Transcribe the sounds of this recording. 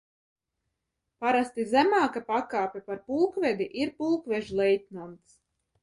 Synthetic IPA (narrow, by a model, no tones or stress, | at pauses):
paɾast̪izæmaːkapakaːpʲɛpaɾpulˠkvʲɛd̪iʔiɾpulˠkvʲɛʒlˠɛjt̪̚ʲnamt̪s